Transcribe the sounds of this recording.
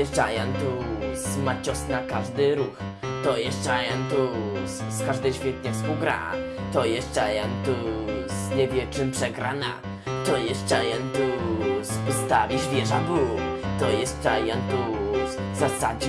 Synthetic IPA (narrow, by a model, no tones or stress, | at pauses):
ɛʐajɛnt̪uzmat͡ɕɔsnakaʐd̪ɘɾux | t̪ɔjɛʐd͡ʐajɛmt̪u | skaʐd̪ɛjɕfʲjɛt̪ɲɛfspuwɡɾa̰t̪ɔjɛʐd͡ʐajɛnt̪uzɲɛvʲjɛt͡ʂɨmpʂɛɡɾana̰ | t̪ɔjɛʐt͡ʂajɛnt̪uspust̪avʲizvʲjɛʐabut̪ɔjɛzt͡ʂajɛnt̪u | zasad͡ʑɛ